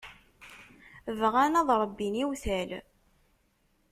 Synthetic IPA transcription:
vʁænɑðˤɾˤəbːiniwθæl

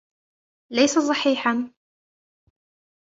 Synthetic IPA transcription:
lajsas̬ˤɑħiːħan

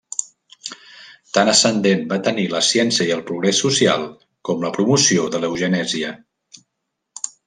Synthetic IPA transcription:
t̪anəsənd̪enbat̪əniləsjɛnsiəiəlˠpɾuɣɾesːusia̰lˠ | kɔmləpɾumusioðələwʒənɛziə

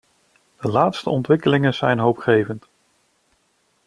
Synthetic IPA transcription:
d̥əlaːtstəɔntʋɪkəlɪŋənz̥ɛjnɦowpχejvənt

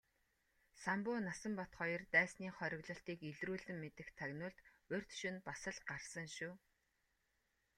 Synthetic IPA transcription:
sampʊːnasə̆mpɔt̪χɔjɞ̆rt̪æːsniːχɔɾʲɪ̆ɣɮɞ̆ɬt̪iːkeɮruːɮɘ̆mːet̪ɘ̆xt̪ʰːæɣnʊːɮt̪ | ɵr̥ʲt̪ʃʊ̆npasə̆ɮɢarsə̆ŋʃuː

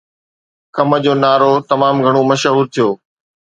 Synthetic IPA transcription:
kɐmə̆d͡ʑoːnaːɾot̪ɐmaːmɡʱɐɽ̃omɐʃɦuːɾt̪ʰijoː

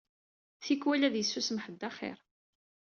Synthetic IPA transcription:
θikwælæðjəsːusmħəd̪ːaχɪ̰ɾˤ

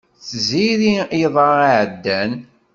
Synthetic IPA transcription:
θziɾiiðˤɑaʕəd̪ːæn

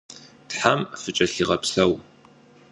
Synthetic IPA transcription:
tħamfɨt͡ʃʼɐɬiʁɐpsɐw

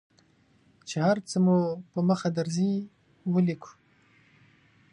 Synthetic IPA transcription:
t͡ʃehaɾt͡səmupəməxad̪aɾzi | wəlikʰu̥

